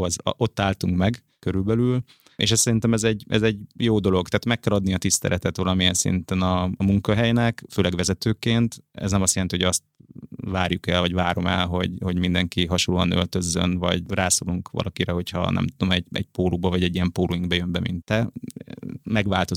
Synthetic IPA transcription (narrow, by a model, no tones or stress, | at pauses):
ɒz̰ʔo̞t̪ːaːlt̪uŋkmɛɡ | køɾylbɛlyl | ḛʃɛssɛɾint̪ɛmɛzɛɟɛ̰zɛɟjoːd̪o̞lo̞ɡt̪aːt̪mɛkːɛlɒd̪niɒt̪ist̪ɛ̰lʔɛt̪ɛt̪ʋɒlɒmiɛnsḭnt̪ɛnɒmuŋkɒɦɛjnɛkføːlɛɡʋɛzɛt̪øːkeːnt̪ɛ̰znɛmɒstjɛɾɛnt̪iho̞ɟɒst̪̚vaːɾjukɛlvɒɟʋaːɾo̞mɛlɦo̞ɟho̞ɟmind̪ɛŋkiɦɒʃolːuɒnø̞̰lt̪ø̞zːø̰nvɒ̰ɟraːsoːluŋkʋɒ̰lʔɒkiɾɛɦo̞chɒ̰nɛ̰mt̪ud̪o̞mɛɟɛ̰ɟ̚poːlubɒvɒɟɛɟːijɛmpoːlujiŋɡ̚bɛjømbɛmḭnt̪ːɛ | mɛɡʋaːlt̪o̞